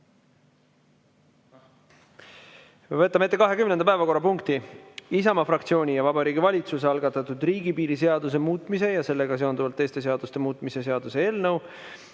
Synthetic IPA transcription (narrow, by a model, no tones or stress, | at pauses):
vɤt̪ˑːɑme̞t̪ːe̞kɑɦe̞kymnend̪ɑpæevɑko̞rːɑpuŋkt̪iisɑmɑfrɑk̚t̪sio̞ːnʲijɑvɑbɑɾiːɡ̥ivɑlʲit̪suseɑlɡ̥ɑt̪ːˑɑt̪ːˑud̪riːɡipiːɾis̬e̞ɑd̪us̬e̞muːt̪ːˑmise̞jɑse̞lːe̞ɡɑs̬e̞ond̪uvɑlt̪ːe̞ːst̪e̞seɑd̪ust̪e̞muːt̪ːˑmise̞se̞ɑd̪̥use̞e̞ːlnɤw